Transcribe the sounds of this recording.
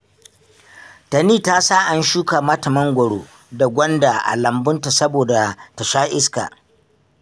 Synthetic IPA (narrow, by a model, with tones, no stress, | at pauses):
ta˨niː˦˨ta˦saː˦ʔa˦nʃuː˦ka˨mɐ˦tɐ˨mɐ˦ŋɡʷɐ˨ɽoː˦ | da˨ɡʷɔ˦nda˨ʔa̰˨lɐ˨mbʊ˦nta˨sɐ˦boː˨da˨ta˨ʃaː˦ʔɪ˦ska̰ː˨